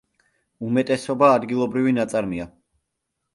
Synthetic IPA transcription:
umɛt̪ʼɛsɔbaːd̪ɡilˠɔbɾivinat̪sʼaɾmia

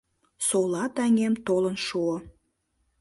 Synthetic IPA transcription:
solɑt̪æŋʲemt̪olənʃuo

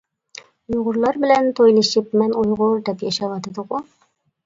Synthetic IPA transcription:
ujʁʊɾlˠɑɾbɪ̆lænt̪ʰojlˠiʃɪp̚mænujʁʊɾd̪ɛpjɑʃɑwɑt̪ɑd̪əqʊ

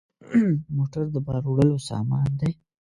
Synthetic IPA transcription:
moʈaɾd̪əbɑɾoɽəlosɑ̰mɑnd̪aj

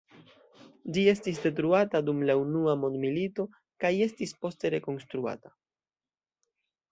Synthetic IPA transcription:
d͡ʒie̞stis̬de̞t̬ɾuatadumlaunuamo̞nd̪milito̞ | kaje̞stispo̞ste̞ɾe̞ko̞nstɾua̰ta

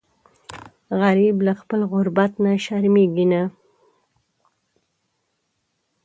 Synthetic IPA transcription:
ɣaɾiblaxpəlɣʊɾbat̪naʃaɾmeɡina

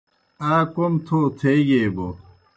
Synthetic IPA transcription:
aːkomt̪ʰot̪ʰeiɡeːbo

